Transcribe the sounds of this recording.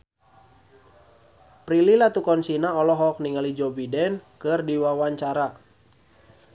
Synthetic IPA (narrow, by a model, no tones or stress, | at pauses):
pɾililat̪ukɔnsinaɔlɔɦɔk̚niŋalid͡ʒɔbidɛnkɨrdiwawaɲt͡ʃaɾa